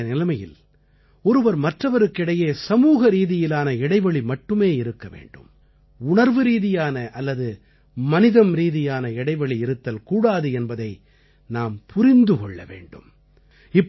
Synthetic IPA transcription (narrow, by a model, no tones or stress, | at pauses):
nɪlɐmɐjɪ̰l | ɔɾɯʋɐɾmɐʈrɐʋɐɾɯkːɪɽɐjeːsɐmuːɣɐɾiːðɪjɪlaːnɐɪɽɐɪʋɐɭimɐʈːɯmeːɪɾɯkːɐʋḛːɳɖɯ̰m | ʊɳɐɾʋɯɾiːðɪjaːnɐʔɐlːɐðɯ | mɐnɪðɐmɾiːðɪjaːnɐɪɽɐɪʋɐɭiɪɾɯt̪ːɐlkuːɽaːðɯɛnbɐðɐɪ | naːmpʰʊɾɪnd̪ɯkɔɭːɐ̰ʋḛːɳɖɯ̰m | ɪpː